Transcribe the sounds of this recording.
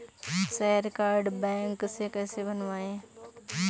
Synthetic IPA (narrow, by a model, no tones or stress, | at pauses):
sɛːəɾkaːɾɖbɛ̃ːŋksekɛːsebənʋaːẽ